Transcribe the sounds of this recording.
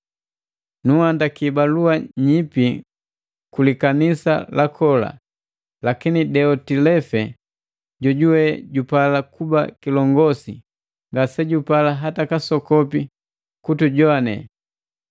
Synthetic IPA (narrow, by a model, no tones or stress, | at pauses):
nuhandakibaluaɲipi | kulikanisa̰lakʰɔla̰ | lakinidɛɔtilɛfɛ | ɟɔɟuwɛɟupalakuba̰kilɔŋɡɔsḭ | ŋɡasɛɟupalaɦatakasɔkɔpi | kutuɟɔanɛ̰